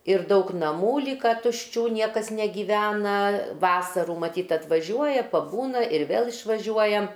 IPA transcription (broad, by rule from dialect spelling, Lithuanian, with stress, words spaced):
ɪr ˈdɐʊk nɐˈmuː ˈlʲiːkɐ tʊʃʲˈt͡ʃʲuː ˈnʲiɛkɐs nʲɛɡʲiːˈʋʲæːnɐ ˈʋɑːsɐruː mɐˈtʲiːt ɐtʋɐˈʒʲuɔjɛ pɐˈbuːnɐ ɪr ˈʋʲeːlˠ ɪʃʋɐˈʒʲuɔjɛ